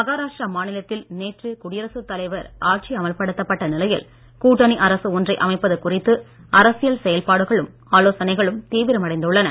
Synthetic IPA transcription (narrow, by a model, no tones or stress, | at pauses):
mɐɣaːɾaːʂrɐmaːnɪlɐt̪ːɪlneːʈrɯkʊɽɪjɐɾɐsɯt̪ːɐlɐɪʋɐɾaːʈ̚t͡ʃiɐmɐlpɐɽɯt̪ːɐpːɐʈːɐnɪlɐjɪl | kuːʈːɐniʔɐɾɐsɯɔndrɐɪʔɐmɐɪpːɐðɯkʊrɪt̪ːɯ | ɐɾɐsɪjɐlsɛjɐlpaːɽɯɣɐɭɯm | aːloːsɐnɐɪɣɐɭɯmt̪iːʋɪɾɐmɐɽɐɪnd̪ɯɭːɐnɐ